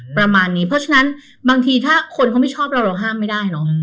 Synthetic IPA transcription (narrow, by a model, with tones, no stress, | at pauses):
pɾa˧maː˧nːiː˦˥pʰɾɔ˦˥t͡ɕʰa˧na˦˥n | baː˧ŋt̪ʰiː˧t̪ʰaː˥˩kʰo˧nkʰa˦˥wma˥˩jt͡ɕʰɔː˥˩p̚ɾa˧wɾa˧wɦaː˥˩mːa˥˩jdaː˥˩jnɔ˦˥